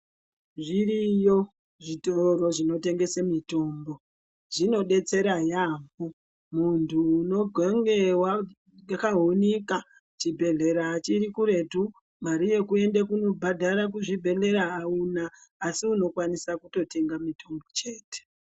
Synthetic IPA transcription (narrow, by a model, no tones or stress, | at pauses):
ʐirijo̞ | ʐitoɾo̞ʐino̞te̞ŋɡe̞semito̞ːmbo̞ | ʐ̥ino̞ɗe̞t͡se̞ɾajaːmbu | muntʰuːno̞ɡʱeŋɡewa | akaɦonika | t͡ʃibʱe̞ɮe̞ɾaːt͡ʃiɾikuɾe̞tu | maɾije̞kue̞ndekuno̞bʱadʱaɾak̬uʐibʱe̞ɮe̞ɾaːunaːsiuno̞kwanisakuto̞te̞ŋɡamitʰo̞mbo̞t͡ʃeːte̥